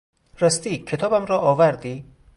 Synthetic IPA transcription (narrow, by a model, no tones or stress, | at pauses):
rast̪ikʰet̪ʰɒbamɾɔːvaɾd̪i